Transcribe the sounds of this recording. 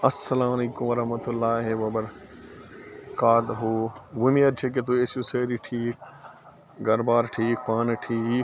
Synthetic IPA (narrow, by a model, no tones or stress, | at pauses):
ɐsːɐlãːmɐliːkumʋɐɾɐɦmɐt̪ulːaːɦeʋɐbɐɾ | kaːd̪ɦoːʋumiɐɾt͡ʃʰek̬et̪uesuseːɾiʈʰiːk | ɡɐɾbaːɾʈʰiːk̚paːnʈʰiː